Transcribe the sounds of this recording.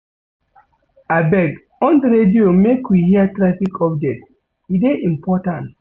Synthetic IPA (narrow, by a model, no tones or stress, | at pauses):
abɛɡ | ɔ̃ndɾediomekwihiatɾafikʰɔpd͡ʒɛt | ideʔĩmpɔtãnt